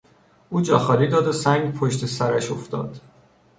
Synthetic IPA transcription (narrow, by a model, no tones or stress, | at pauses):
ʔuːd͡ʒɒːxɒːliːd̪ɒːd̪osæŋɡpʰoʃt̪ʰe̞sæɾæʃoft̪ɒ̰ːd̪̥